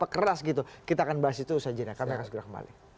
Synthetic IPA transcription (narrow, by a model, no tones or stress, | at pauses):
pakəɾasɡit̪ukit̪akanbaɦasit̪usad͡ʒadakamiakansəɡəɾakəmba̰lɪ̰